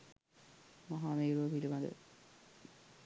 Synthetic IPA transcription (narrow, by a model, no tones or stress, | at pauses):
maɦaːmeːɾuʋɐpilimad̪ə̰